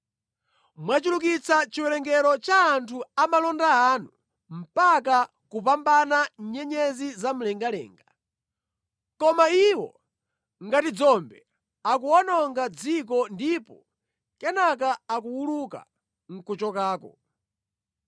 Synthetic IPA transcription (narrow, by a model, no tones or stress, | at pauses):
mwat͡ʃulukit͡sat͡ʃiwɛlɛŋɡɛɾɔt͡ʃaːntʰuamalɔndaanu | m̩paka | kup̬ambanaɲɲɛɲɛzizam̩lɛŋɡalɛ̰ːŋɡa | kɔmaiwɔ̰ | ŋɡatid͡zɔmbɛ | ak̬uɔnɔŋɡad͡zik̬ɔndipɔ̰ | kɛnakaakuwuluka̰ | ŋ̩kut͡ʃɔkaːkɔ̰